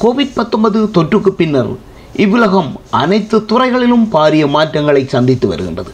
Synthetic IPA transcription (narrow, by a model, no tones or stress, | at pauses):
koːʋɪɖ̚pɐt̪ːɔmbɐðɯt̪ɔʈrɯkːɯpːɪnːɐɾ | ɪʋːɯlɐɣɐmʔɐnɐɪt̪ːɯt̪ʊrɐɪɣɐɭɪlɯmpaːɾɪjɐmaːʈrɐŋɡɐɭɐɪsɐnd̪ɪt̪ːɯʋɐ̰ɾɯɣɪ̰ndrɐðɯ